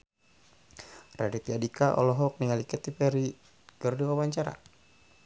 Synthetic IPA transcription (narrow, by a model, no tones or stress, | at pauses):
radit̪iadikaʔɔ̰lɔɦɔk̚niŋalikɛt̪ipɛɾi | ɡ̥ərduwawaɲt͡ʃaɾa̰